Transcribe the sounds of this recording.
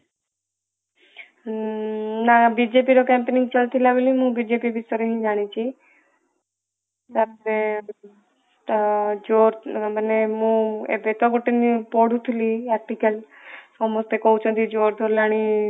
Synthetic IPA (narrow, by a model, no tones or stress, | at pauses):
nabid͡ʒepiɾokɛmpenĩŋɡt͡ʃəlt̪ʰilaʋeliɦũbid͡ʒepibisɔɾiɦĩd͡ʒaːɽ̃it͡ʃʰi | saɾɾeb | d͡ʒoːɾbənemũḛbet̪oɡoʈːinipɔɽũt̪ʰuliɛk̚ʈikəl | sɔmost̪ekoũt͡ʃʰõt̪id͡ʒoːɾd̪ʱoɾlaɽ̃i